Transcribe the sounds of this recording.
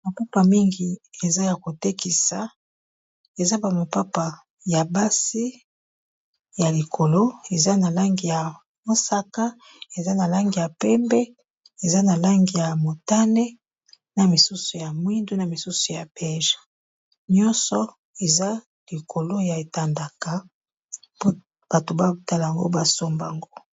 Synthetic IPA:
ma˨pa˦pa˨mi˦ŋɡi˨e˨za˦ja˨ko˨te˦ki˨sa˨ | e˨za˦ba˨mo˨pa˦pa˨ | ja˨ba˦si˦ | ja˨li˨kʰo˨lo˦e˨za˦na˨la˦ŋɡi˨ja˨ | mo˦sa˦ka˦ | e˨za˦na˨la˦ŋɡi˨ja˨pɛ˦mbɛ˦ | e˨za˦na˨la˦ŋɡi˨ja˨mo˨ta˦ne˦ | na˨mi˨su˦su˨ja˨mwi˦ndo˦na˨mi˨su˦su˨ja˨bɛ˦ʒḁ˨ | ɲɔ̃˦nsɔ˦ | e˨za˦ | li˨kʰo˨lo˦ja˨e˨ta˨nda˨ka˨ | po˦ | b̥a˨to˨ba˦u˦ta˦la˨a˨ŋɡo̰˦ba˦so˦mba˨ŋɡo˦

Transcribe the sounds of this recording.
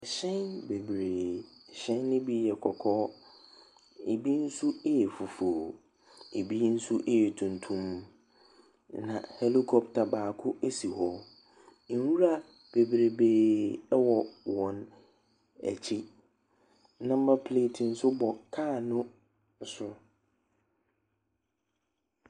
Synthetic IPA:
ɛ˨ɕɛ̃˦nbe˨bɾeː˨ɕɛ̃˦nːʊ̃˦bi˦jɛ˨kʰɔ˨kʰɔː˦ | e˨bi˦n̩˦su˦e˦jɛ˨fʊ˨foː˨ | e˨bi˦n̩˦su˦ʔe˦jɛ˨tʰũ˨ntʰũ˦m | nã̰˨he˦li˦kʰɔ˨btʰa˨baː˨kʰʊ˦ʔe˦si˨hɔ˦ | n̩˨˦wu˦ɾa˦˨ | b̥e˨bɾe˨beː˨ɛ˦wɔ˨wɔ̃˨n | ɛ̰˨t͡ɕʰɪ˦ | nã˦m̩˦ba˦pʰle˦˨tʰĩ˨n̩˦sʊ˦bɔ˨kʰaː˦˨nʊ̃˦˨˦ | sʊ˦

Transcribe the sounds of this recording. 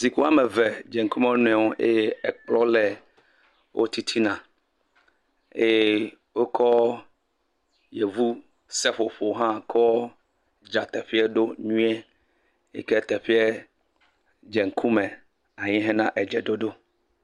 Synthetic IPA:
zi˨ku˦a˦me˨vɛ˨d͡ʒɛ˨ŋ̩˨ku˦mẽ˦o˦nũ˦ɛ˨wo˦ʔḛ˦je˦ɛ˨k͡plɔ˦lɛ˨ | wʔo̰˦t̪i˦t̪ʰi˦nã˨ | e˦je˦ | wo˦kʰɔ˦ | je˨vu˦ | sɛ˦ɸo˨ɸo˨ɦã˦kʰɔ˦ | d͡ʒa˨t̪ɛ˨ɸi˦ɛ˦ɖo˦ɲũ˦ɛ˦ | ḛ˦kɛ˦t̪ɛ˨ɸi˦ɛ˦ | d͡ʒɛ˨ŋ̩˨kʰu˦mɛ̃˨ | a˨ɲĩ˦ɦɛ̃˦nã˦ʔɛ˨d͡ʒɛ˨do˦ɖo˦

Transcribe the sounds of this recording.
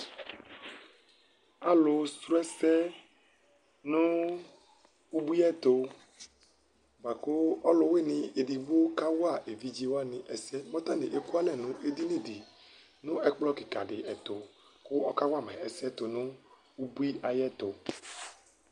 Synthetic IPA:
a˨lʊ˨stɾɛ˦sɛ˦ | nʊ̃˦ | u˦bu˦i˦ɛ˦t̪o˨ | ba˨ko˦ɔ˦lʊ˨we˦˨nĩ˨e˨di˨ɡ͡bo˦ka˦wo˦a˦˨ʔe˨vi˦d͡ʒi˦wo˦a˦nĩ˨ʔɛ˨sɛ˦mɔ̃˦t̪ã˦nḭ̃˨ʔe˨ku˦a˦lɛ˨nũ˨ʔe˨di˦nĩ˦˨di˨ | nʊ̃˦ʔɛ˦k͡plɔ˦ki˨ka˨ɖɪ˨ɛ˨t̪o˨ | kʊ˦ɔ˦ka˦wa˦˨mɛ˨ɛ˨si˦ɛ˦t̪o˨nʊ̃˦ | wu˦bu˦i˦a˨jɛ˦t̪o˨

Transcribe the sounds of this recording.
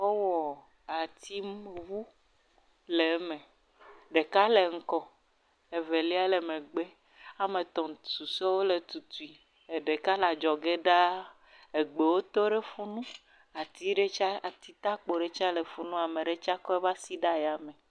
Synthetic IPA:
wo˦wɔ˨ | a˨t̪i˦mvu˦ | le˨˦mẽ˨ | ɖe˨ka˦le˨ŋ̩˦kɔ˦ | e˨ve˨li˦a˦le˨mẽ˨ɡ͡be˦ | a˨mẽ˨t̪ɔ̃˨su˨sɔ˦wo˦le˨t̪u˨t̪u˨i˨ | e˨ɖe˨ka˦la˨d͡ʒɔ˨ɡe˦ɖa˦ | e˨ɡ͡be˨wo˦t̪o˦ɖe˦fu˦nũ˦ | a˨t̪i˦ɖe˦t͡ʃa˦a˨t̪i˦t̪a˦k͡po˨ɖe˦t͡ʃa˦le˨fu˦nũ˦a˨mẽ˨ɖe˦t͡ʃa˦kɔ˦ɛ˦va˦si˦ɖa˦ja˨me˨

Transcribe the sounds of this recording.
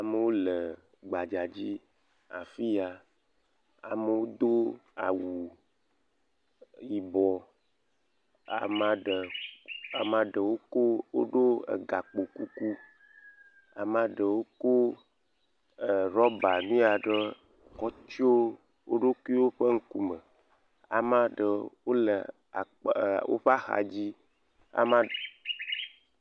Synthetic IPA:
a˨me˨wo˦le˨ | ɡ͡ba˨d͡ʒa˨d͡ʑi˦ | a̰˨fi˦a˨ | a̰˨me˨wo˦d̪o˦a̰˨wu˨ | ji˨bɔ˨ | a̰˨ma˨ɖə˨a˨mã˨ɖe˨wo˦ko˦wo̰˦ɖo˦ḛ˨ɡa˨k͡po˨ku˦ku˦ | a̰˨mã˨ɖə˨wo˦ko˦ | ə˨ɾɔ˦ba˨nũ˦a˨ɖə˦ | kɔ˦t͡ʃo˦ | wo˦ɖo˦ku˦i˦wo˦ɸə˦ŋ̩˦ku˦mə˨ | a̰˨mã˦ɖə˨wo˦lə˨ | a˨ | wo̰˦ɸa˦xa̰˨d͡ʑi˦ | a̰˨mã˦

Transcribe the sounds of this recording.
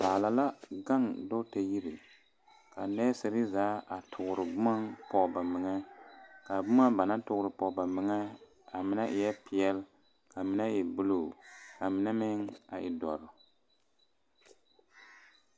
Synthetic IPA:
baː˨la˨la˦ɡa˦ŋdo˦te˨ji˦ɾi˨ | ka˨nɛ˦sɨ˨ɾɪ˦zaː˨˦ʔa˨tʰʊ˨ɡʊ˨ɾɨ˨bʊ˦ma˦ŋpɔ˨ba˨mɪ˨ŋɛ˦ka˨bʊ˦ma˦ba˨na˦tʊ˦ɡʊ˦ɾɨ˨pɔ˨ba˨mɪ˨ŋɛ˦ | a˨mɪ˨nɛ˦ʔɪ˨jɛ˦pɪ˨jɛ˦l | ka˨mɪ˨nɛ˦jɛ˨bu˦lo˨ka˨mɪ˨nɛ˦mɪ˦ŋa˨ʔɪ˨dɔ˨ɾɨ˨

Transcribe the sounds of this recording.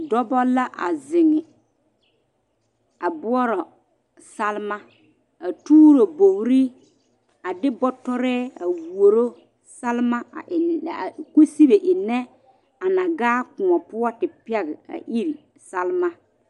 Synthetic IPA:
dɔ˦bɔ˦la˦ʔa̰˨zɪ˨ŋɪ˨ | a˨bʊ˦ɔ˦ɾɔ˨ | sa˦lma˦ | a˨tuː˦ɾo˨bo˨ɾi˦ | a˨dɪ˦bɔ˦tɔ˦ɾɛː˦a˨wu˨o˨ɾo˦ | sa˦lma˦a̰˨ʔɪ˨n˨ku˦si˦be˨ʔɪ˨nɛ˦ | a˨na˨ɡaː˦kʊ˨ɔ˨pʊ˦ɔ˦tɪ˨pɛ˦ɣɪ˨a̰˨ʔi˦ɾi˨ | sa˦lma˦

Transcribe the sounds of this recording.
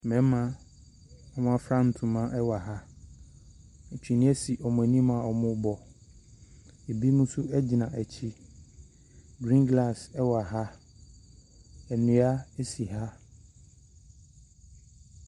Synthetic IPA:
mɛ̃˨˦mã˦ | ɔ˦m̃˦ã˦fɾã˦˨n̩˨tʰũ˨mã˦ʔɛ˦wa˨ɦa˦˨ | t͡ɕʰᶣi˨nĩ˦æ˦si˨ʔɔ˨mʊ̃˨æ˨nĩ˦mã˨ɔ˨mʊ̃˦bɔ˨ | e˨bi˦mũ˦sʊ˦ɛ˦d͡ʑi˨nã˨ʔæ˨t͡ɕʰi˦ | ɡɾĩ˦nɡla˨sɛ˦wa˨ɦa˦ | ɛ˨nũ˨˦a˦ɛ˦si˨ɦa˦

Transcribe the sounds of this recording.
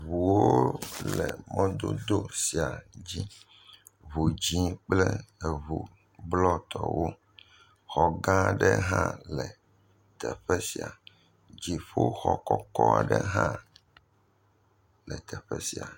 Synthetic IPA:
βu˨wo˦lɛ˨mɔ̃˦d̪o˦d̪o˦si˨a˨d͡ʑi˦ | βu˨d͡ʑi˦k͡plɛ˦e˨βu˨ | blɔ˦t̪ʰɔ˨wʔo˦ | xɔ˨ɡã˦˨ɖɛ˦ɦã̰˦lɛ˨ | t̪ɛ˨ɸɛ˦si˨a̰˨ | d͡ʑi˨ɸo˦xɔ˨kɔ˦kɔ˦a̰˨ɖɛ˦ɦã˦ | lɛ˨t̪ʰɛ˨ɸɛ˦si˨a̰˨

